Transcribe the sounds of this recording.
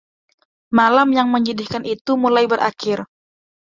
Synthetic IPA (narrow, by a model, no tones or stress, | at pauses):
malamjaŋməɲidɪhkanʔit̪umulajbəɾʔa̰kɪr